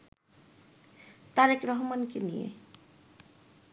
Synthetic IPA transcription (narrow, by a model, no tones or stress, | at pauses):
t̪aɾekɾɔɦmankenijḛ